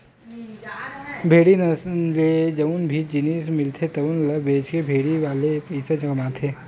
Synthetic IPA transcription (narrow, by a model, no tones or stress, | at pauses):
bʱeːɽinɐd͡ʒed͡ʒɐunbʱiːd͡ʒinismɪlt̪ʰet̪ɐʋunlɐbeːt͡ʃkebʱeːɽiʋaːlepɛɪsed͡ʒɐkɐmaːt̪ʰeː